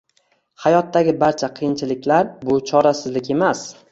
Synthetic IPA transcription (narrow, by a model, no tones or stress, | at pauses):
hajɒt̪ːaɡʲɪbaɾt͡ʃʰaqʰɨjɪnt͡ʃʰɪlɪkʲlaɾbʊt͡ʃʰɒɾasɪzlɪkʲe̞mas